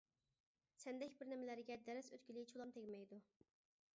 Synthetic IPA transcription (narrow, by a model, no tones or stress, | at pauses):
sɛnd̪ɛkʲbɪɾnɪmɪlæɾɪɡʲɛd̪ɛɾɛsøt̪kʲilɪɡt͡ʃʰulˠɑmt̪ʰeɡʲmɛjd̪u